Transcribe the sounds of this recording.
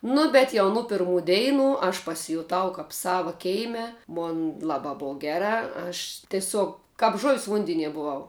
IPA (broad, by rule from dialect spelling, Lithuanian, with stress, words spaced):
ˈnʊ bʲɛt jɛʊ ˈnʊ pʲɪrˈmuː ˈdʲɛɪnʊ ɐʃ pɐsʲɪjʊˈtɐʊ kɐp ˈsɑːʋɐ ˈkʲɛɪmʲɛ ˈmoːn ˈlˠɑːbɑː ˈboːw ˈɡʲæːrɑː ɐʃ tʲɛˈsʲoːk kɐp ʒʊwsʲ ˈʋʊnʲdʲɛnʲiɛ bʊˈʋɐʊ